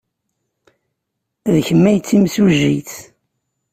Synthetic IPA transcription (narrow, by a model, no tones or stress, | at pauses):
ðçəmːæjt͡sːimsuʒiθ